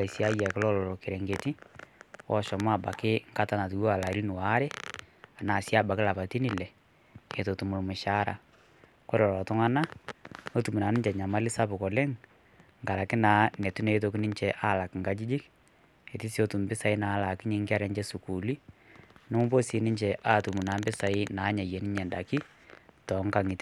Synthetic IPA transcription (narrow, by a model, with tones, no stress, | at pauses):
a˨sja˦ja˨kɪ˦lɔ˦lɔ˨ɾɔ˨ke˨ɾɛ˨ŋɡe˨ti˦wɔ̰˦ʃɔ˨m˦a˦˨ba̰˨kɪ˦ŋ˦ka˦ta˨na˨tu˨wa˨la˨˦lɪ˦nʊ˨wa˦ɾɛ˦ | a˨na˨sja˦ba˨kɪ˦la˨pa˨ti˦ni˨lɛ˨ | e˨to˨tu˨mʊ˨lmʊ˨ʃa˦ɾa̰˨ | ko˦ɾɔ˨lɔ˨tʊ˦ŋa˦na˦no˦tu˨mu˨na˨nɪ˦ɲt͡ʃɛ˨ɲa˨ma˦lɪ˦sa˦pʊ˨kɔ˨lɛ˦ŋ | ŋɡa˨ɾa˨kɪ˦naː˨˦nɛ˨tu˦ne˨˦t̬o˨kɪ˦nɪ˦ɲt͡ʃɛ˨ʔa˦˨la˨kɪ˨ŋɡa˦d͡ʒi˦d͡ʒɪ˦k | e˨ti˦si˦o˦tu˨mbɪ˦sa˨ɪ˦naː˨˦la˨kɪ˦ɲe˨˦ŋ˦kɪ˦a˦ɾɛ˦ɲd͡ʒɛ˦su˨ku˨li˦no˦mʊ˦bo˦si˨˦nɪ˦ɲt͡ʃɛ˨ʔa˦˨tu˨mu˨na˨˦mbɪ˦sa˨ɪ˦na˨˦ɲa˨jɛ˨nɪ˦ɲɛ˨nda˨kɪ˦ | tɔ˨˦ŋka˨ŋɪ˨t